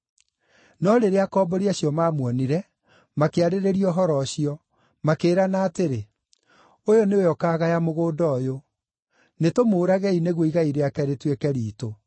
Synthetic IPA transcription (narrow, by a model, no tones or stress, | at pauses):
nɔɾeɾeakɔbɔɾiaɕjɔmaːmwɔniɾɛ | makeaɾeɾeɾiɔɦɔɾɔɕiɔ | makeːɾanaːteɾe | ojoneojɔkaːɣajamoɣoːdɔjo | netomoːɾaɣɛineɣwoiɣaiɾeakɛɾetwekɛɾiːto